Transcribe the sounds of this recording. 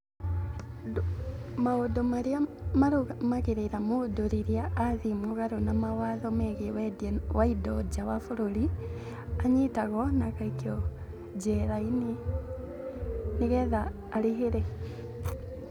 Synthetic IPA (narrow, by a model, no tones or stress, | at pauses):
maodomaɾiamaɾuɣamaɣeɾeɾamodoɾiɾiaːðimuɣaɾonamawaðɔmɛɣewɛdɛwaidɔd͡ʒawafuɾoɾi | aɲitaɣɔnakaikiɔ | d͡ʒɛɾaini | niɣɛðaː | ɾiɦeɾɛ